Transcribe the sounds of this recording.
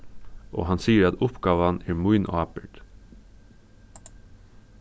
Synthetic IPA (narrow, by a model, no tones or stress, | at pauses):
ʔo̰ːhɑnsiːəɾɑt̪ʊpɡ̥ɑːʋɑnæːɾmuʏnʔɑːpəʈ